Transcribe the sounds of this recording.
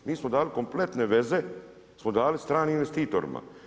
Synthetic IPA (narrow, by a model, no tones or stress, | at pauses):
miːsmod̪aːliko̞mple̞t̪ne̞ʋe̞ze | smod̪aːlist̪ɾaːniinʋest̪iːt̪oɾḭma̰